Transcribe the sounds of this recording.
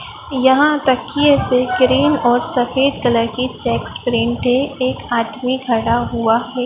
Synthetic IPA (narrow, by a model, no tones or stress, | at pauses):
jɐɦãt̪ɐkːiɛseɡɾiːnɔːɾsɐfeːd̪kələɾkit͡ʃɛːkspɾɪ̃ɳʈeeːkaːt̪miɡʱɐɽaɦuaɦɛː